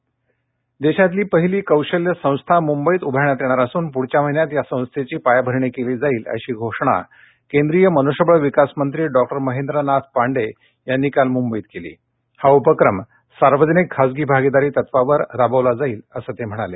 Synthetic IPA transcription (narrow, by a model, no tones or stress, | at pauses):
d̪eɕat̪liːpəɦiliːkəwɕəljəsə̃w̃st̪ʰamumbəiːt̪ubʱaɳjat̪jeɽ̃aɾasuːnpuɽ̤t͡ɕam̤əɦinjat̪jasə̃w̃st̪ʰet͡ɕiːpajabʱəɾɳikeliːd͡zaiːlə̰ɕiːɡʱoʂɳ̃a̰ | kend̪ɾijəmənoɕəbəɭʋikasmənt̪ɾiːɖɔk̚ʈəɾməɦend̪ɾənat̪̚ʰpaɳɖe | janːikalmumbəiːt̪̚kelḭː | haupəkɾəm | saɾʋəd͡znikʰːad͡zɡiːbʱaɡid̪aɾiːt̪ət̪ʋaʋəɾɾabəʋlad͡zaiːləsəːt̪em̤əɽ̃ale